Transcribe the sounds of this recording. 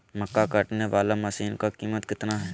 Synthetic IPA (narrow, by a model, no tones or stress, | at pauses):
məkːakaːʈneʋaːlamɐsiːnkakiːmət̪kɪt̪naɦɛː